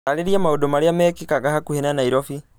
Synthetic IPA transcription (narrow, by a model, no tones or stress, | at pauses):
aɾeɾiamaodomaɾejamɛkikaɣahakuhenanaiɾɔfi